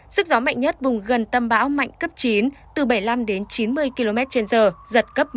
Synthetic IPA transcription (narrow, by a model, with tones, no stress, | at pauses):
zɨ˦˥k̚zɔ˨˦ma̰˧˨jŋ̟ɲə˦˥t̚vʊ˨˩ŋ͡mɣə˨˩nt̪ə˧mɓa̰ː˧˥wma̰˧˨jŋ̟kə˦˥p̚t͡ɕi˨˦nt̪ɨ˨˩ɓə˧˩jla˧mɗe˨˦nt͡ɕi˨˦nmɨ˧əjki˧lo˧mɛ˦˥t̚t͡ɕe˧nzəː˨˩zə˨˩t̚kə˦˥p̚